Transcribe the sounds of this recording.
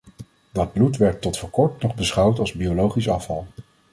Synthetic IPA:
dɑd̚blutʋɛɹtːɔtfɔɹkɔɹtnɔχbəsχɑwtɑlˠzbiolowχisɑ̰fɑ̰lˠ

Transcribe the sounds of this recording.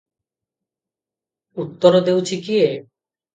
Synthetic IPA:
ut̪ːoɾod̪ewt͡ɕʰikie

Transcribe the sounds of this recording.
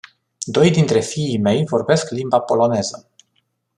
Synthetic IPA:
d̪o̞jd̪int̪ɾe̞fiːme̞jvo̞rbe̞sklimbapo̞lo̞ne̞zə

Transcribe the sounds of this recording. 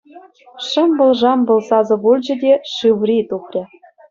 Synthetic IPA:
ʂɤ̆mbɤ̆lʐɑmbɤ̆lsɑzɤ̆βulʲd͡ʑɘ̆d̪ʲeʃiwrʲit̪uklʲĕ

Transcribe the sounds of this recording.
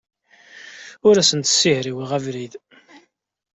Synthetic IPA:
ʊɾæsənt̪sihɾiwiʁævɾið

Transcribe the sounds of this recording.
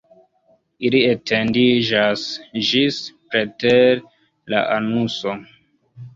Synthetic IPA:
ilietʰendid͡ʒasd͡ʒispɾeteɾ | la̰ʔanuso

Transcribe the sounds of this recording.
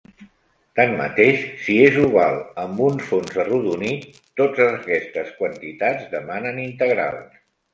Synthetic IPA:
t̪anmə̰t̪eʃsiezuɣalˠəmbunfonzəruðunit̪ː | od͡zəkɛst̪əskwənt̪it̪ad͡zdəmanənint̪əɣɾa̰lˠ

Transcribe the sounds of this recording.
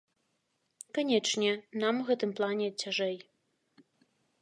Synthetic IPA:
kanʲɛt͡ʂnʲɛnamuɣɛt̪ɨmplˠanʲɛt͡sʲːaʐɛj

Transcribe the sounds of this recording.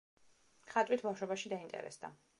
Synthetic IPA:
χat̪ʼwit̪ʰbafʃwɛbaʃid̪aint̪ʼɛ̰ɾɛ̰sd̪a̰

